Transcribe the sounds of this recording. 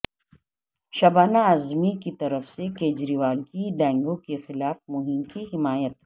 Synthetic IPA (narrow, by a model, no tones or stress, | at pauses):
ʃɐbaːnaɐzmikit̪ɐɾəfsekeːd͡ʒɾiʋaːlkiɖɛ̃ːŋɡõkexɪlaːfmʊɦɪmkiɦɪmaːjət̪